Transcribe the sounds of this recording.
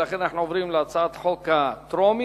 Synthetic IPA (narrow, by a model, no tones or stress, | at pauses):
laχenanaħnuovʁimleat͡saat̪ħokat̪ʁomi